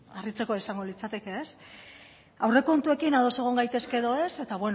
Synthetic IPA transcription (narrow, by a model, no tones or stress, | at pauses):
arit͡se̞koaisaŋɡo̞lit͡sat̪e̞ke̞es | awre̞ko̞nt̪ue̞kinaðo̞se̞ɣ̞o̞ŋɡajt̪e̞ske̞ðo̞e̞se̞t̪aβe̞n